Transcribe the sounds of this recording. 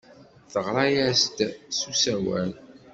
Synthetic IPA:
θəʁɾˤɑjæst̪susæwæ̰l

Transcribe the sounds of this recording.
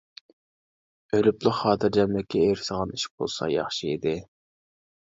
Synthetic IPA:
ølyplˠəχχɑːt̪ʰɨɾd͡ʒɛmlɪkʲʰːɛeɾɪsəʁɑniʃi̥k̚bo̰lˠsɑ̰jɑχʃiid̪ɪ

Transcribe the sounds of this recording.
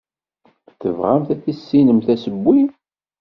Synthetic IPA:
θəvʁæmθæθisːinəmθæsəbːi

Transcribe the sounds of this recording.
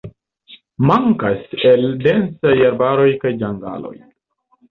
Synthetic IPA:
maŋkase̞ldensajaɾbaɾo̞jkajd͡ʒaŋɡa̰lo̞̰j

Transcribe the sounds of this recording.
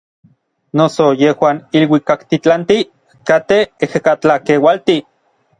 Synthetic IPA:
nosojehwaːnilwikakt̪it͡ɬant̪i | kat̪eehekat͡ɬakewalt̪i

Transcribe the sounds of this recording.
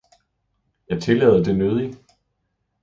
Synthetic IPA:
jɑ̈ɪt͡sʰe̝lɛ̰ːðˠɐd̥e̝nøð̞ˠi

